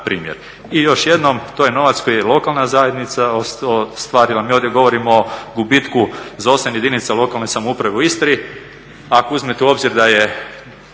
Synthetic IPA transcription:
pɾḭːmjḛɾ | ijo̞ʃje̞d̪nomt̪ojeno̞ʋat̪skojelˠo̞kalˠnazaje̞d̪nit̪saoost̪ʋaːɾilˠamiːo̞ːd̪jeɡo̞ʋo̞ɾimoːɡubit̪kuzao̞sanjed̪init̪salˠo̞kalˠnesamoupɾaʋe̞uist̪ɾii | akouzmet̪euo̞bziɾd̪aje

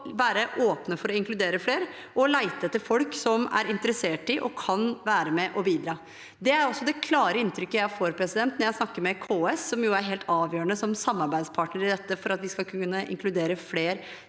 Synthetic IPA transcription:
ʋæːɾəʔoːpnəfɔɾɔɪŋklʉd̪eːɾəfleːɾ | ɔlæɪt̪əɛt̪ːəfɔlksɔmæ̰ɾɪnt̪əɾəseːʈɪʔɔ̰kʰɑnʋæːɾəmɛʔɔbiːd̪ɾɑː | d̪ɛæɾɔsːɔd̪ɛkʰlɑːɾəɪnt̪ʰɾʏkːəjæfoːɾpʰɾɛsɪd̪ɛnt̪nɔɾjæɪsnɑkːəɾmɛkʰoːɛsːɔmjʊæɾɦeːlt̪ʰɑːʋjøːɾəɳəsɔmsɑmːɑɾbæɪd̪spʰɑːʈɳəɾɪd̪ɛt̪ːəfɔɾɑt̪ʋɪskɑlkʰnːəʔɪ̰ŋklʉd̪eːɾəfleːɾ

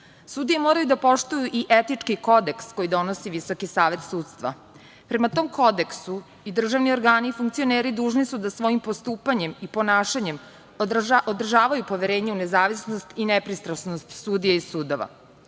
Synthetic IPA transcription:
suːd̪ijemo̞ːɾajud̪apo̞ʃt̪ujuʔiʔet̪it͡ʂkiko̞d̪e̞ksko̞jid̪o̞nosiʋiso̞kisaːʋe̞t̪suːt̪st̪ʋa̰ | pɾe̞mat̪o̞ːmko̞d̪e̞ksu | id̪r̩ʒaʋnio̞ɾɡaːnifuŋk̚t̪sio̞neːɾid̪uːʒnisud̪asʋo̞jimpo̞st̪uːpaɲe̞mipo̞naːʃaɲe̞m | od̪r̩ʒaːʋajupo̞ʋje̞ɾe̞ːɲeune̞zaːʋisnost̪inepɾist̪ɾasnost̪suːd̪ijeisuːd̪o̞ʋa̰

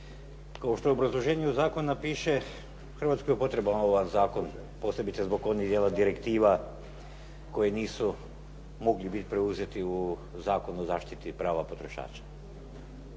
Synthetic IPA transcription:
kaoʃt̪o̞jeobɾazlˠo̞ʒeːɲeuzaːkonːapiːʃe̞ | xrʋat̪skojepo̞t̪ɾe̞banoʋanzaːko̞n | po̞se̞bit̪sezbo̞ko̞nid̪jeːlad̪iɾe̞kt̪iːʋa | ko̞jeniːsu | mo̞ɡlibit̪ʲpɾeuze̞t̪iu | zaːko̞nuozaːʃt̪it̪ipɾaːʋapo̞t̪ɾo̞ʃa̰ːt͡ɕḁ

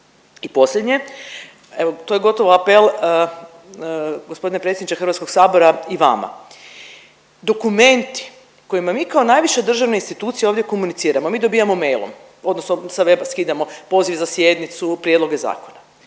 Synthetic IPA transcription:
ipo̞slʲed̪ɲe̞ | eʋot̪ojeɡo̞t̪oʋoapelˠ | ɡospo̞d̪inepɾesjed̪nit͡ʃ̪exr̩ʋat̪sko̞ɡsaːbo̞ɾaiʋa̰ma̰ | d̪o̞kume̞nt̪i̥ | ko̞jimamiːkao̞naːjʋiʃed̪r̩ʒaʋne̞inst̪it̪uːt̪sijeoʋdjeko̞munit̪siːɾamomiːd̪obiːjamo̞mejlˠo̰m | o̞d̪nosnosaʋe̞baskid̪amo̞po̞ziʋzasje̞d̪nit̪supɾje̞d̪lo̞ɡeza̰ːkona

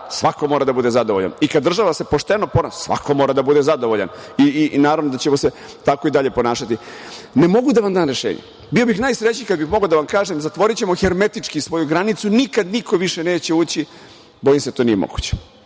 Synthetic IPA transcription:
sʋako̞moːɾad̪abud̪e̞zad̪oʋoʎa̰nikad̪ːr̩ʒaʋase̞poʂt̪enoponassʋa̰ko̞mo̞ːɾad̪abud̪e̞zad̪o̞ʋoʎa̰ninaːɾaʋnod̪at͡ɕemose | t̪ako̞id̪aʎe̞po̞naːʃat̪i | nemo̞ɡud̪aʋamd̪aːnɾeʃeːɲḛ | bio̞bixnajsɾet͡ɕikad̪bixmo̞ɡod̪aʋamkaːʒemzat̪ʋo̞ɾit͡ɕe̞moxeɾmet̪it͡ʂkisʋo̞juɡɾanit̪sunikad̪niko̞ʋiʃene̞ːt͡ɕeuːt͡ɕi | bo̞jimseat̪onijemo̰ɡ̥ut͡ɕe̥

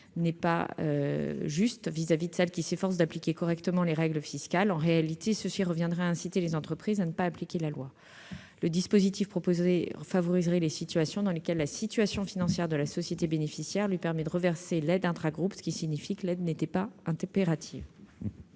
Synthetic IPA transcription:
nɛpa̰ø̰ʒyst̪vizavid̪əsɛlkʲisefɔʁs̬d̪aplikʲekɔʁɛkt̪əmɑ̃leʁɛɡləfiskʲalɑ̃ʁealit̪esəsiʁəvjɛ̃d̪ʁɛaɛ̃sit̪elezɑ̃t̪χəpχizanəpaːplikʲelalwa | ləd̪ispozit̪ifpχɔpofavɔʁizʁɛlesit̪ɥasjɔ̃d̪ɑ̃lekʲɛlːasit̪ɥasjɔ̃finɑ̃sjɛʁd̪əlasɔsjet̪ebenefisjɛʁlɥipɛʁmɛd̪əʁəvɛʁselɛd̪ɛ̃t̪χaɡʁupsə̥kʲisiɲifikəlɛd̪net̪ɛpaɛ̃peʁat̪ʰiv

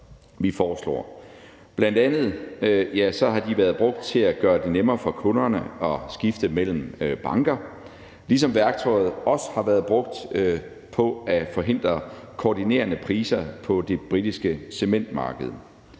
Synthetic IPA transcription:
ʋifɒːslɒ̰ː | b̥lænd̥ænð̞̩ˠjæsɒ̽hɑ̈d̥iʋæːɐðˠb̥ʁɔ̽ɡ̥̚d̥̚t͡sʰe̝læɡ̥ɶːɐd̥e̝nemɐːfɒ̽kʰɔ̽nɐnəɒ̽sɡ̥ifd̥əmel̰m̩b̥ɑ̈ŋɡ̥ɐ | lis̬ɒ̽mʋæɐɡ̥t͡sʰɒɪð̞̩ˠɒ̽sə̥hɑ̈ʋæɐðˠb̥ʁɔ̽ɡ̥̚d̥ | pʰɒ̽æfɒ̽ɦe̝n̰d̥ʁɐkʰoːdine̝̰ːɐnəpʰʁiːsɐpʰɒ̽d̥e̝b̥ʁidisɡ̥əse̝men̰d̥mɑ̈ːɡ̥əð̞̩ˠ

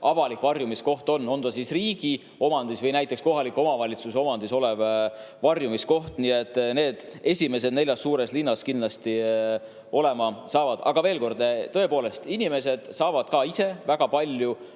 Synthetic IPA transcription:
ʔɑvɑlikvɑrjumisko̞ht̪o̞nːo̞nd̪̥ɑsisriːɡ̥i | o̞mɑnd̪isvɤjnæjt̪ːˑeksko̞ɦɑlikːˑo̞mɑvɑlʲit̪suso̞mɑnd̪̥iso̞lev | vɑrjumisko̞ht̪nie̞t̪ːˑne̞ːd̪̥e̞sʲime̞s̬ed̪ne̞lʲjɑsːuːɾeslinːɑskinlɑst̪i | o̞le̞mɑsɑːvɑd̪̥ɑ̰ɡ̥ɑve̞ːlko̞rd̪̥t̪ːɤ̞e̞po̞ːle̞st̪inime̞s̬e̞d̪̥sɑːvɑd̪̥kɑːise̞væɡ̥ɑpɑlʲju

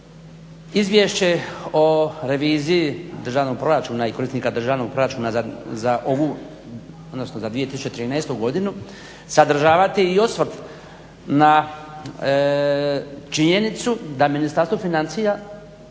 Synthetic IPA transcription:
izʋje̞ʃt͡ɕe̞oɾe̞ʋiːziːd̪r̩ʒaːʋno̞ɡ̚pɾo̞ɾat͡ʃuːnaiko̞ɾisnikad̪r̩ʒaːʋno̞ɡ̚pɾo̞ɾat͡ʃuːnazazaʔoʋu | od̪nosnozad̪ʋije̞t̪isu̥t͡ʃet̪ɾiːnɛest̪uɡo̞d̪inu | sad̪r̩ʒaːʋat̪iiosʋr̩t̪ | na | t͡ʃiɲe̞nit̪sud̪aminist̪aɾst̪ʋofinansija

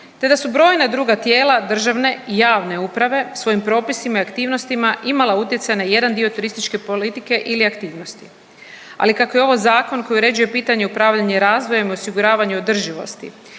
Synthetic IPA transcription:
t̪e̞d̪asubɾo̞ːjnad̪ɾuːɡat̪je̞ːlad̪r̩ʒaʋne̞ijaːʋne̞upɾaʋe̞sʋo̞impɾo̞ːpisimaiakt̪iːʋno̞st̪imaʔimalˠaut̪je̞t̪sajnaje̞d̪and̪io̞t̪uɾist̪it͡ʃke̞polit̪ike̞ʔiliakt̪iːʋno̞st̪i | a̰likako̞jeo̞ʋozaːko̞nko̞juɾe̞d͡ʒuje̞piːt̪aɲeupɾaːʋʎaɲeɾaːzʋojamiosiɡuɾaːʋaɲuod̪r̩ʒiʋo̞̰st̪ḭ

